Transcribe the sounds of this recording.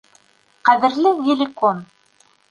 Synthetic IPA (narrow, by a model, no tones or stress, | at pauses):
qæðɘ̆ɾlɘɣɪlʲɪkon